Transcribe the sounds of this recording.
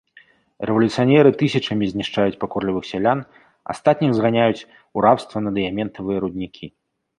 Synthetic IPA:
rɛvɐlʲut̪sɨjanʲɛɾɨt̪ɨsʲɐt͡ʂɐmʲizʲnʲiʂt͡ʂajut͡sʲpakɔrlʲivɨxsʲalʲan | a̰st̪at̪ʲnʲixzɣanʲajut͡sʲ | uɾawst̪vɐnɐd̪ɨjamʲɛnt̪ɐvɨjɐɾud̪ʲnʲikʲʰi

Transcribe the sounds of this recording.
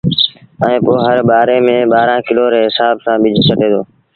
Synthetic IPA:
ɛ̃ẽːpoːɦəɾbaːɾeːmẽːɓaːɾãːkɪloːɾeɦɪsaːbsãːɓɪd͡ʒʱt͡ʃʰəʈeːd̪oː

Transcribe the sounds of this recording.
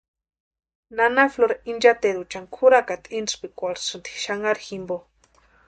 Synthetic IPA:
nanafloɾaind͡ʒat̪ed̪ut͡ʃaŋkʰuɾakat̪ʼinspikʷaɾsɨnt̪i̥ʃaŋaɾximbo

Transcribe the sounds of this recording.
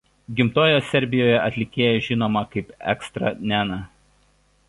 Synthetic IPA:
ɡʲɪmt̪oːjoːsʲɛɾʲbʲɪjoːjɛʔɐt̪ʲlʲɪkʲeːjɛʒʲɪnoːmɐkɐɪpɛ̰kst̪ɾɐ̰nʲænɐ

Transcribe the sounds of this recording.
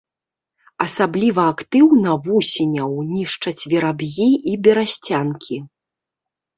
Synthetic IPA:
ɐsablʲivɐːkt̪ɨwnɐvusʲinʲɐwnʲiʂt͡ʂɐt͡sʲvʲɛɾabjiʔibʲɛɾasʲt͡sʲankʲʰi

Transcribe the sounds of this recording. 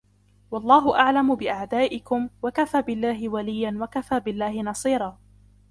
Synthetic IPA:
wɑlˤːɑːɦʊʔaʕlamʊbɪʔaʕd̪aːʔɪkʊmwakafaːbɪlːaːɦɪwalɪjːanwakafaːbɪlːaːhɪnɑsˤiːɾˤɑː

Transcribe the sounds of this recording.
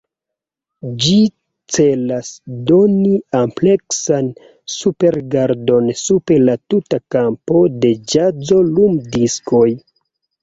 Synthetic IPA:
d͡ʒi | t͡se̞lasdo̞niample̞ksan | supe̞ɾɡaɾdo̞nsupelatutakampo̞de̞d͡ʒad͡zo̞lumdiskʰo̞j

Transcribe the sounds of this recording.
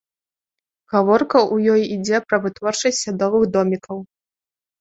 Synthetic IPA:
ɣavɔrkɐʔujɔjid͡zʲɛpɾɐvɨt̪vɔrt͡ʂɐsʲtʲsʲad̪ɔvɨɣd̪ɔmʲikʰɐw

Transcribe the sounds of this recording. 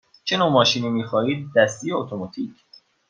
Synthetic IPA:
t͡ʃʰe̞noːmɒːʃiːniːmiːxɒːiːd̪̚ːæst̪ʰijeot̪ʰomɒːt̪ʰiːcʰ

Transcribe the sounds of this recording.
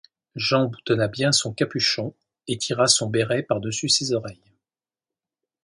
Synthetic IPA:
ʒɑ̃but̪ɔnabjɛ̃sɔ̃kapyʃɔ̃ | et̪ʰiʁasɔ̃bɛʁɛpaʁd̪əsysezɔʁɛj

